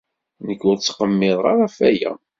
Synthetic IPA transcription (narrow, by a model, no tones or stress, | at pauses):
nəkːʊɾt͡sːqəmːɪðˤʁaɾˤafæjæ̰